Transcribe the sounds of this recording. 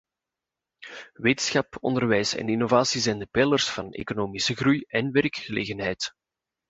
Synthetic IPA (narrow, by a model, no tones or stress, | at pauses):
weːtənsxɑpɔ̰ndərʋɛjsɛ̰ninovaːsizɛjndəpɛlərsfɑnḛːkonoːmisəɣrujɛnʋɛrkxəleːɣənɦɛjt